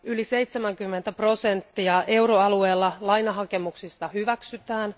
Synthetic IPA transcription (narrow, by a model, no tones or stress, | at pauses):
ylise̞jt̪semæŋkymːent̪æpro̞se̞nt̪ːiɑʔe̞wɾoɑlue̞ːlːɑlɑjnɑɦɑke̞muksist̪ɑhyʋæksyt̪æːn